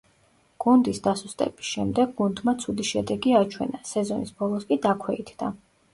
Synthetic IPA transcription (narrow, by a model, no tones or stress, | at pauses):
ɡ̥und̪isd̪asust̪ʼɛ̰bi̥sʃɛmd̪ɛɡ̚ɡund̪mat̪sʰud̪iʃɛd̪ɛɡiat͡ʃʰwɛ̰nasɛzɔnisbɔlˠɔskʼid̪akʰwɛit̪ʰd̪a